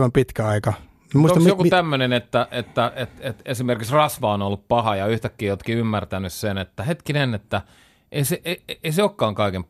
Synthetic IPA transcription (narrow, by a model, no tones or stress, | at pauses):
ʋɑmpit̪kæɑikɑ | mmusot̪kjokut̪æmːønenet̪ːæʔet̪ːæʔet̪et̪esimerkiksrɑsʋɑonolːuppɑhɑjɑyht̪ækːiːjot̪kiymːært̪ænyssenet̪ːæhet̪kinenːet̪ːæ | ʔeiseʔeeiseoːkːɑːŋkɑikem